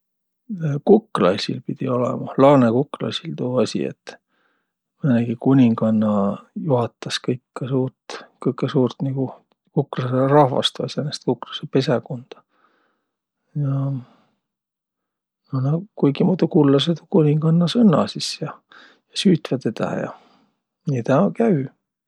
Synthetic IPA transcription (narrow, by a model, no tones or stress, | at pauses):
kukːˑlɑsʲilpid̪̥io̞lɛ̰mɑlɑːnekuklɑ̰sʲilt̪uːɑsʲḭḛt̪ː | mɤneɡ̥ikunʲiŋɡɑnːɑjuɦɑt̪ːˑɑskɤjkːɑsuːrt̪kɤjkːˑesuːrt̪niɡ̥u | kukːlɑserɑhvɑ̰st̪ɑ̰senest̪̚kuklɑ̥sepe̞sekond̪̥ɑ̥ | jɑ | nonɑkujɡimuːd̪ukulːɑset̪okunʲiŋɡ̥ɑnːɑsɤnːɑ̰sisjɑ | jɑsyːt̪vɑt̪et̪æ̰jɑ̰ | nit̪ɑkæy